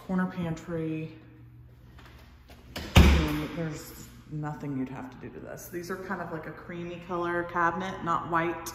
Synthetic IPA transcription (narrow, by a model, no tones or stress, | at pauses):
kʰɔɹnə˞pʰæ̃ntʰɹ̥i | ðə˞z | nʌθɪ̃ŋjɨd̚hæ̰ftʰɨdɨ̰ɾɨ̰ðɪ̰sðizə˞kʰãɪ̃ndʌvlaɪkɨkʰɹ̥ĩmikʰʌlˠə˞kʰæb̚nɨʔnə̰ʔwaɪt̚